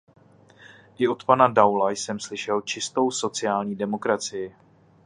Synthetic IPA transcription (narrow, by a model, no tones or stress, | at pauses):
ʔɪot̪panadawlajsɛmslɪʃɛlt͡ʃɪst̪o̞wso̞t͡sɪaːlɲiːdɛmo̞kɾat͡sɪjɪ